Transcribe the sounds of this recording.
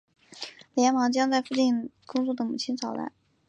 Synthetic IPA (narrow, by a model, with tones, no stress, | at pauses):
ljɛ˧˥nmɑ˧˥ŋt͡ɕjɑ˥ŋt͡sa˥˧ɪfu˥˧t͡ɕi˥˩nkʊ˥ŋt͡swɔ˥˩d̪ə˩mu˨˩t͡ɕʰi˥nt͡sʰɑ˨˩ʊt̪a̰˥˩n